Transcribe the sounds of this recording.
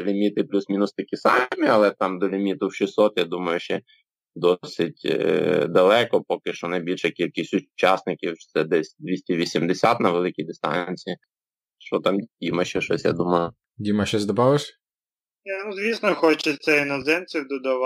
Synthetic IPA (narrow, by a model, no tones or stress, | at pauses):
lʲimʲit̪ɪplʲusmʲinʊst̪ɐkʲisɑmʲiɐlˠɛt̪ɑmd̪ɔlʲimʲit̪ʊwʃisɔt̪jad̪umɐjʊʃt͡ʃɛ | d̪ɔsɪtʲd̪ɐlˠɛkɔpɔkɪʃt͡ʃɔnɐjbʲilʲʃɛkʲilʲkɪsʲtʲʊt͡ʃɑsnɪkʲiw̪sɛd̪ɛsʲd̪ʲʋʲisʲtʲɛʋʲisʲimd̪ɪsʲat̪nɐʋelˠɪkʲijd̪ɪst̪ɑ̰nʲt͡sʲiji | ʃt͡ʃɔt̪ɑmʲdʲimɐʃt͡ʃɛʃɔsʲja̰d̪umɐjʊ | dʲimɐʃt͡ʃɛzʲd̪ɐbɑʋɪʃʲ | ɛnuzʋʲisnɔxɔt͡ʃɪt̪sɛinɔzɛmt͡sʲiwd̪ɔd̪ɐʋ